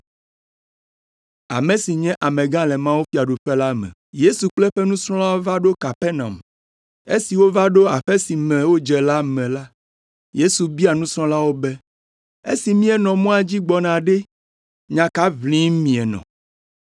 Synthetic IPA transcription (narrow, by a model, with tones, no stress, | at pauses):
a̰˨mẽ˨si˨ɲɛ̃˦ʔa˨mɛ̃˨ɡã˦lɛ˨mã˦wo˦fi˦a˨ɖo˨ɸɛ˦la˦mɛ̰̃˨je˦su˨k͡plɛ˦ɸɛ˦nũ˦sɾɔ̃˦la˦wo˦va˦ɖo˦ka˨pɛ˦nã̰˨m˨ | e˦si˨wo˦va˦ɖo˦a˨ɸe˦si˨mɛ̃˨wo˦d͡ʒɛ˨la˦mɛ̃˨la˦ | je˦su˨bi˦a˨nũ˦sɾɔ̃˦la˦wo˦bɛ˦ | ḛ˦si˨mĩ˦ɛ˦nɔ̃˨mɔ̃˦a˨d͡ʑi˦ɡ͡bɔ˨nã˨ɖɛ˦ | ɲã˨ka˦vlĩ˦mĩ˨ɛ˨nɔ̰̃˨